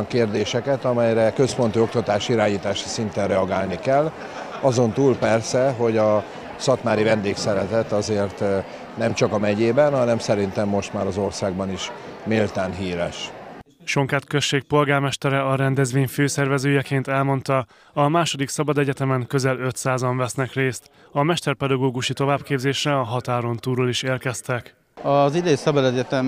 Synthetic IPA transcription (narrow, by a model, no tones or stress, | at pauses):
ɒŋkeːrd̪eːʃɛkɛt̪ɒmɛjɾɛkø̞spo̞nt̪yok̚t̪ɒt̪aːʃiɾaːɲiːt̪aːʃi̥sint̪ɛnrɛɒɡaːlnikɛlː | ɒzo̞nt̪uːlpɛrsɛɦo̞ɟɒ | sɒt̪maːɾivɛnd̪eːksɛɾɛt̪ɛt̪ɒzeːrt̪ | nɛmt͡ʃɒkɒmɛɟeːbɛnɦɒnɛmsɛɾint̪ɛmːo̞ʃt̪maːɾɒzo̞rsaːɡ̚bɒniʃ | milt̪aːnɦiːɾɛʃ | ʃo̞ŋkaːt̪køsʃʃeːk̚po̞lɡaːrmɛʃt̪ɛɾɛɒɾɛnd̪ɛzʋeːɲføːsɛrvɛzøːjɛkeːnt̪ɛlmo̞nt̪ɒ | ɒmaːʃo̞d̪iksɒbɒd̪ɛɟɛt̪ɛmɛŋkø̞zɛlø̞t̪saːzɒɱvɛsnɛkreːst̪ | ɒmɛʃt̪ɛrpɛd̪ɒɡoːɡuʃit̪o̞vaːbkeːbzeːʃrɛɒɦɒt̪aːɾo̞nt̪uːɾoliʃeːrkɛst̪ɛk | ɒzid̪ɛisɒbɒd̪ɛɟɛt̪ɛm